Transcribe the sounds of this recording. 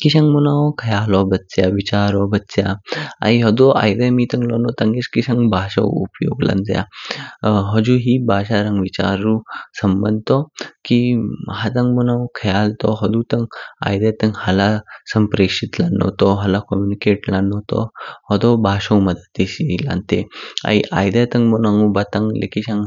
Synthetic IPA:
kiɕãŋɡmunawkʰɐjaːlɔbɐtːsjaʋit͡ɕaːɾɔbɐtːsjaa̰iɦɔd̪ɔa̰jd̪emit̪ɐŋɡlɔnɔt̪aŋɡeskiɕaŋbʱaːʃɐ̰wṵpjo̰ːɡla̰nd͡zja̰ | ɦɔd͡ʒuɦibʱaːʃaɾaŋɡʋit͡ɕa̰ːɾusɐmbənd̪̚t̪ɔkiɦat̪aŋɡmɔnaukʰɐjalt̪ɔɦɔd̪ut̪ɐŋɡa̰jd̪et̪ɐŋɡhɐlasɐmpɾekʂit̪lanːɔ̰t̪ɔɦɐlakɔmjunikeʈlanːɔt̪ɔ̰hɔd̪ɔbʱaʃɐwmɐd̪ət̪ːiɕila̰nt̪ea̰jʔa̰jd̪et̪ɐŋɡmɔnaŋubat̪aŋlḛkiɕãŋ

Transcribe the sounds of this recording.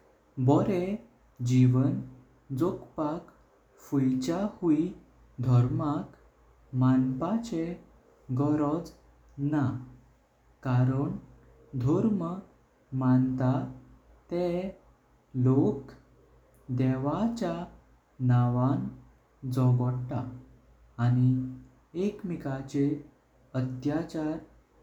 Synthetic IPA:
bɔɾe | d͡ʑiʋən | d͡zokpak | fujt͡ɕahui | d̪ʱɔɾmak | manpat͡ɕe | ɡɔɾɔd͡z | na | kaɾəɳ | d̪ʱɔɾmə | mant̪a | t̪e | lok | d̪ɛʋat͡ɕja | naʋãn | d͡zɔɡɔɽʈaː | ɽ̃i | ekmikat͡ɕe | ət̪jat͡ɕaɾ

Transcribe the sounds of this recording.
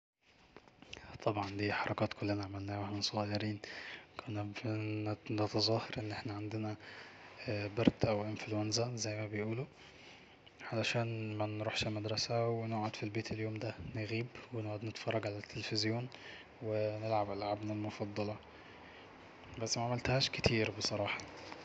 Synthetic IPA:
t̪ʰˤɑbʕɑnd̪iːħɑɾˤɑkɑːt̪kolːenæʕamælnæːwaħnæsˤʊɣɑjːɑɾiːnkʰonæfnnet̪ɑzˤɑheɾʔenːʔeħnæʕand̪enæ | bɑɾd̪ʔæwʔemflowænzæzæjːmæbejʔuːlo | ʕalæʃæːnmænɾuħʃelmæd̪ɾˤɑsæwenoʕad̪filbeːt̪ʰeljoːmd̪æneɣiːbwenoʕuːd̪net̪fɑrˤːɑɡʕalæt̪ʰːelefezjoːn | wenelʕabʔelʕabnælmofɑd̪ˤːɑlɑ | bæsːmæaʕamælt̪hæːʃket̪ʰiːɾbesˤɑɾˤɑːħɑ

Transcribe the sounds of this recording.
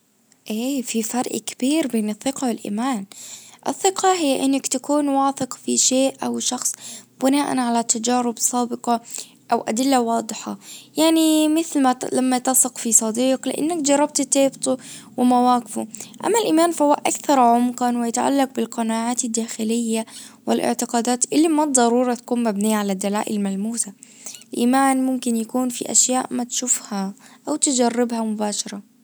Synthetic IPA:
ʔeːfifɑɾˤʔkḁb̥iːɾbeːnɨθːɪqɑwɪlʔḭːmaːnʔɪθːɪqɑɦɪjːaʔɪnːakt̪akuːnwaːθɪqfiʃeːʔʔawʃɑxsˤb̥ɪnaːʔa̰nʕalat̪ːad͡ʒaːɾɪbsˤaːbɪqɑ | ʔawʔad̪ɪlːawɑːd̪ˤɨħɑ̰jaʕnimɪθlmalamːat̪ɑsˤɪqfisˤɑd̪iːqlɪ̰ʔɪ̰nːakd͡ʒɑrˤːɑb̚t̪t̪eːbt̪ˤuwɪmawaːqɪfuʔa̰mːalʔiːmaːnfahʊwːaʔa̰kθɑɾˤʕʊmqɑnwɪjat̪ʕa̰lːɑq̚bɪlqɑnaːʕaːt̪ɪd̪ːaːxɪlɪjːawɪlʔɪ̰ʕt̪ɪqaːd̪aːt̪ʔɪlːimɑd̪ˤːɑɾˤuːɾˤɑt̪ḁkuːnmabnijːaʕalad̪ːalaːʔɪlmalmuːsalʔiːmaːnmʊmkɪnjakuːnfḭʔa̰ʃjaːʔmat̪ʃʊfhaʔawt̪ɪd͡ʒarˤːɪbhamʊbaːʃɑɾˤɑ

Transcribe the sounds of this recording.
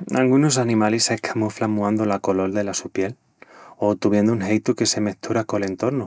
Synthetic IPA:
a̰ŋɡunos̬anĩmalisekʰamuflamuãnd̪olako̞lo̞ld̪e̞lasupje̞l | ot̪uβje̞nd̪ouŋɦejt̪uke̞se̞me̞t̪ʰuɾako̞le̞nt̪o̞ɾnu

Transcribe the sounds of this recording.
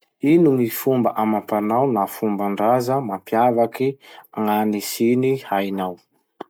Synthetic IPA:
inuŋifumbəʔamapanawnafumbaɳɖ͡ʐazəmampjavakiaŋanisinihajnaw

